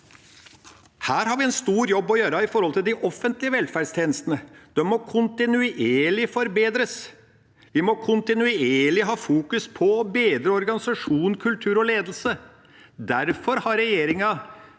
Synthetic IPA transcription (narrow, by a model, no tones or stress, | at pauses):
hæːɾhɑɾʋɪɛnst̪uːɾjɔbːɔjøːɾɑɪfɔɾhɔlt̪ɪld̪ɪʔɔfːənt̪lɪəʋɛlfæɖst̪ʰeːnəst̪ənəd̪̥ɛmɔkʰʊnt̪ɪnʉʔeːɭɪfɔɾbeːd̪ɾəs | ʋɪmɔkʰʊnt̪ɪnʉeːɭɪɦɑːfuːkʉspʰɔbeːd̪ɾəɔɾɡɑnɪsɑʂuːnkʰʉlt̪ʰʉːɾɔleːd̪l̩sə | d̪æɾfɔɾhɑɾɛjeːɾɪŋɑ